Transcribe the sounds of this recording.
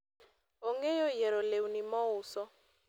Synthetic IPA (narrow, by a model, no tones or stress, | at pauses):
ɔŋɛjɔjɛɾɔleunimɔuːsɔ